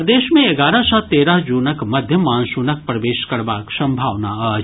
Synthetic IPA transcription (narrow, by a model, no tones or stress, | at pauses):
d̪eːʃmẽeɡaːɾasat̪eːɾaɦd͡ʒuːnəkmɐd̪ʱjəmaːnsuːnɐk̚pɾɐʋeːʃkɐɾʋaːksɐ̃mbʱaːʋnaaːd͡ʒ